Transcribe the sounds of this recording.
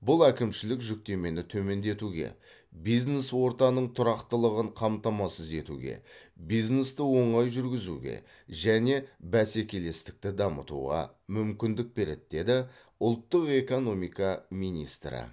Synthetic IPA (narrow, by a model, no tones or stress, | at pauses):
bʊlˠækʲɪmʃɪlɪkʒʏk̚t̪e̞me̞nɪt̪ʰɵme̞nd̪e̞t̪uɡʲe̞̰ | bijzne̞swo̞ɾt̪ɑnəɴt̪ʰʊɾɑqt̪əlˠəʁəɴqʰɑmt̪ɑmɑsəze̞t̪ṵɡʲḛbijznest̪ɪwo̞ɴɑjʒʏɾɡʲɪzṵɡʲe̞̰ | ʒæne̞bæse̞kʲe̞le̞st̪ɪ̥k̚t̪ɪd̪ɑmə̰t̪ṵʁɑ̰ | mʏmkʲɪnd̪ɪk̚be̞ɾe̞̰d̪̚d̪e̞d̪ɪ | ʊlˠt̪ːəqe̞ko̞no̞mijkɑmijnḭst̪ɾɪ̰